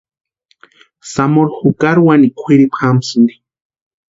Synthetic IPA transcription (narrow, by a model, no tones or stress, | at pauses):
samoɾxukaɾwanikʷʰiɾipxamsɨnd̪i̥